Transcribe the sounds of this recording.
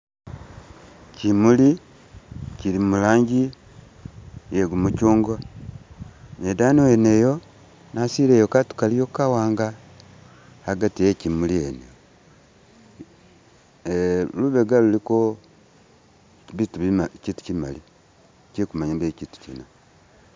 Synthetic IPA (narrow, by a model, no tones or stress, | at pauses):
cimuli | cilimulaːɲɟi | jeɡumucuːŋɡwa | nedaːniwenejo̞ | nasiɾejokatu̥kalijokawaːŋɡa | haɡatiecimuliene | eluβeɡaluliko | βituicitu̥cima̰li | cikumaɲabeciːtu̥cḭna